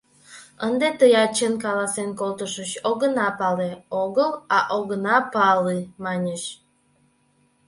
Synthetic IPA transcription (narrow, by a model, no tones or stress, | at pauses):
ənd̪et̪əjɑt͡ɕenkɑlɑsenkolˠt̪əʃəɕoɣənɑpɑleoɣəlɑʔoɣənɑpɑlimɑnʲeʃ